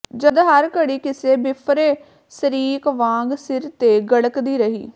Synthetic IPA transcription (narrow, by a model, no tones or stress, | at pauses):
d͡ʒəd̪ɦəɾkəɽiːkɪseːbɪpʰɾeː | səɾiːkʋãːŋɡsɪɾt̪eːɡəɽəkd̪iːɾəɦḭː